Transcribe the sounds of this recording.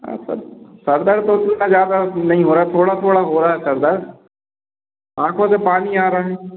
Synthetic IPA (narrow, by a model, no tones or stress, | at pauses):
ã̰ːsə̰bsəɾd̪əɾt̪ot̪ʊnaːzjaːd̪anɐɦĩːɦoːɾaːt̪ʰoːɽaːt̪ʰoːɽaɦoːɾaːɦɛsəɾd̪əɾ | ãːkʰõsepaːniaːɾaːɦɛː